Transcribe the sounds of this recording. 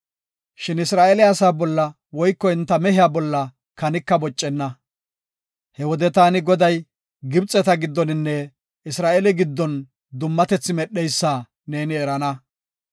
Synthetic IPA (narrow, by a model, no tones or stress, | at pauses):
ʃɪnɪsɾaːʔɛlɛɐsaːbɔlːɐ | wɔjkːɔɪnt̪ːɐmɛhɪjaːbɔlːɐ | kɐnɪkːɐbɔt͡ʃʼːɛnːɐ | hɛwɔd̪ɛt̪aːnɪɡɔd̪ɐj | ɡɪbt͡sʼːɛt̪ɐɡɪd̪ːɔnɪnːɛ | ɪsɾaːʔɛlɪɡɪd̪ːɔn | d̪ʊmːɐt̪ɛt͡sːɪmɛɗːɛjsːaː | ne̞ːnɪɛɾɐnɐ